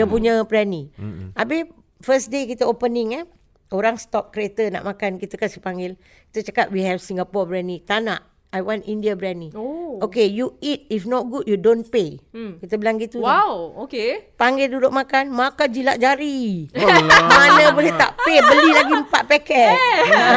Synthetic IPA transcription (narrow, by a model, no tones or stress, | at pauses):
jəpuɲabɾɛniʔabɪh | fəsdekit̪əopəniŋa | oɾaŋst̪ɔp̚kɾet̪əna̰ʔmakankit̪əkasipaŋɡɪl | ki̥t̪ət͡ʃakat̪̚wiɦɛfsiŋɡapɔbɾɛnit̪anaʔ | ajwãnindiabɾɛnĩookejuit̚ifnɔt̚ɡud̚judõnpekit̪əbəlaŋɡit̪uwawokepaŋɡɪldudʊʔ̚makanmakad͡ʒilaʔd͡ʒaɾi | manəbolɛht̪a̰ʔpebəlilaɡim̩paʔpɛkɛt̪